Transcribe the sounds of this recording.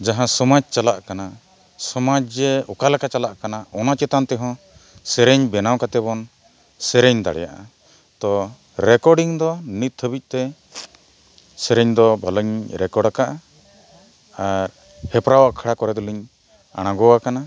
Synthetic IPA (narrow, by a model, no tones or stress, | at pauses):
d͡ʒaɦãsɔmad͡ʒt͡ʃalaʔkana | sɔmad͡ʒd͡ʒɛɔkalakat͡ʃalaʔkanaɔnat͡ʃɛt̪ant̪ɛɦɔ̃ | sɛɾɛɲbɛnawkat̪ɛbɔn | sɛɾɛɲd̪a̰ɽɛ̰ja̰ʔa̰ | t̪ɔ | ɾɛkɔɖiŋd̪ɔnit̪̚t̪ʰːəbic̚ˀt̪ɛ | sɛɾɛɲd̪ɔbʱaləɲɾɛkɔɽakaʔa | ɾ | hɛpɾawaʔkʰaɽakɔɾɛd̪ɔliɲ | a̰ɽ̃ãɡɔwakana